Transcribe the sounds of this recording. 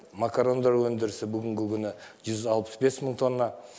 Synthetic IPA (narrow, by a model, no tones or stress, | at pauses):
makaɾo̞nd̪ɑɾwɵnd̪ɪɾɪsɪbʏɡʲɪŋɡʲɪkʲʰʏnɪʒ̥ʏzɑlˠpə̥zbe̞sməɴt̪ʰo̞nːɑ